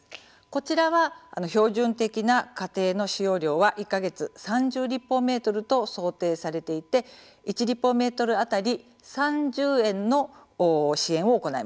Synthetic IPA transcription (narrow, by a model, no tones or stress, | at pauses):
ko̞t͡ɕiɾaβa̰ːno̞ço̞ːʑɨ̃nt̪e̞kʲinakat̪e̞ːno̞ɕijo̞ːɾʲo̞ːβaʔikːaɡe̞t͡sɨsãɲ̟d͡ʑɨːɾʲipːo̞me̞ːt̪o̞ɾɯ̟t̪o̞so̞ːt̪e̞ːsaɾe̞t̪e̞it̪e̞ | it͡ɕiɾʲipːo̞me̞ːt̪o̞ɾɯ̟at̪aɾʲi | sãɲd͡ʑɨːẽ̞nːo̞ː | ɕiẽ̞ɰ̃o̞ːko̞naḭma